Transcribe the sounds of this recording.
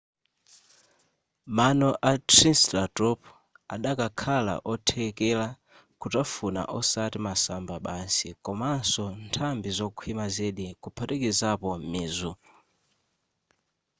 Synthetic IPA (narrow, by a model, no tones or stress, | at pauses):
manɔʔatɾinstatɔpʰ | aɗakakʰala̰ʔɔtʰɛkɛla | kutafuna̰ʔɔsatimasambaɓansikɔmansɔntʰambizɔkʰwimazɛɗikupʰatɛkizapɔmiːzu